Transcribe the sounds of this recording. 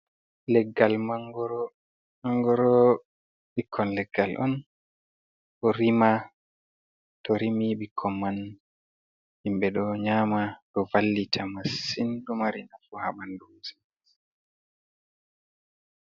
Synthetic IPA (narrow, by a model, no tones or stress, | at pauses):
lɛɡːalmaŋɡɔɾ | maŋɡɔɾɔ | ɓikʰːɔnlɛɡːalʔɔ̰n | ʔɔɾima | tɔɾimiɓikʰːɔnmːan | himbɛɗɔɲaːmaɗɔvalːitʰamasindumaɾinafuha̰ɓandusi